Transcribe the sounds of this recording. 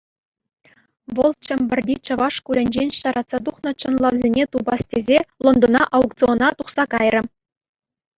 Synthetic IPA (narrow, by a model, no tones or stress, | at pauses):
ʋɤ̆lˠt͡ɕɘ̆mʲbʲɘ̆rʲdʲit͡ɕɤ̆ʋɑʂkulʲɘ̆nʲd͡ʑenʲɕɑɾʔɑt̪sɑt̪̬uχnɤ̆t͡ɕɤ̆nlˠɑʋzʲenʲet̪ubɑstʲezʲelˠŏnd̪ɤ̆nɑ̰ʔɑuktt͡sɨonɑt̪uχsɑkɑjrʲɘ̆